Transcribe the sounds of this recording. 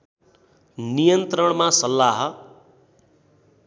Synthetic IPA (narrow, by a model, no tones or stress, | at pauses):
nijʌnt̪ɾʌɽmasʌlːaɦʌ